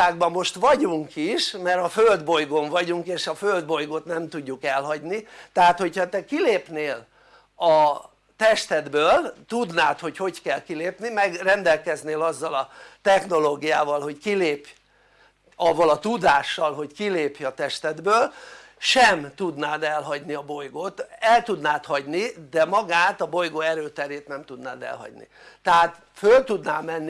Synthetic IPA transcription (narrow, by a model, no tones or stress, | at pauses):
aːɡ̚bɒmːo̞ʃt̪ʋɒɟuŋkiʃmɛɾɒføld̪bo̞jɡo̞ɱvɒɟuŋkeːʃɒføld̪̚bo̞jɡo̞t̪nɛmt̪uɟːukɛlɦɒɟnit̪ɛɦaːt̪ho̞chɒt̪ɛkileːpneːl | ɒ | t̪ɛʃt̪ɛd̪bøːlt̪ud̪naːt̪ho̞cho̞ckɛlkileːpnimɛɡrɛnd̪ɛlkɛzneːlɒzːɒlɒt̪ɛxno̞loːɡijaːvɒlɦo̞ckileːpj | ɒvːɒlɒt̪ud̪aːʃːɒlɦo̞ckileːpjɒt̪ɛʃt̪ɛd̪bøːl | ʃɛmt̪ud̪naːd̪ɛlɦɒɟniɒbo̞jɡoːt̪ɛlt̪ud̪naːt̪hɒɟnid̪ɛmɒɡaːt̪ɒbo̞jɡoɛɾøːt̪ɛɾeːt̪nɛmt̪ud̪na̰ːd̪ɛ̰lɦɒ̰ɟnḭ | t̪ɛɦaːt̪ | følt̪ud̪naːmɛnː